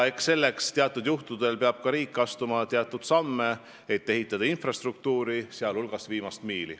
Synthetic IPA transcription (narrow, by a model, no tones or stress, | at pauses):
e̞ksse̞lːe̞kst̪eɑt̪ːˑud̪juht̪ud̪e̞lpeɑb̥̚kɑɾiːkːˑɑst̪umɑt̪eɑt̪ˑːud̪̥sɑmːe̞ | et̪ːe̞ɦit̪ːˑɑd̪̥ɑinfrɑst̪ruk̚t̪uːɾiseɑlulɡ̥ɑsviːmɑst̪miːlḭ